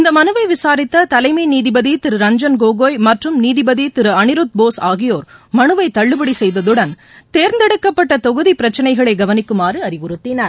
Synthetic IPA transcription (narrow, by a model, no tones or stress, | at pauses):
ɪnd̪ɐmɐnɯʋɐɪʋɪsaːɾɪt̪ːɐt̪ɐlɐɪmɐɪniːðɪbɐðit̪ɪɾɯɾɐɲd͡ʒɐnɡoːɣoːjmɐʈrɯmniːðɪbɐðit̪ɪɾɯɐnɪɾɯt̪̚boːsaːɣɪjoːɾmɐnɯʋɐɪt̪ːɐɭːɯbɐɽisɛjðɐðɯɽɐn | t̪eːɾnd̪ɛɽɯkːɐpːɐʈːɐt̪ɔɣɯðipɪɾɐt͡ʃːɐnɐɪɣɐɭɐɪɡɐʋɐnɪkːɯmaːrɯɐɾɪʋɯɾɯt̪ːɪnɐɾ